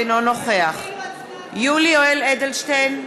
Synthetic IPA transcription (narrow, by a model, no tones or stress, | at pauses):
nonoχeaχ | julioeled̪elʃtejn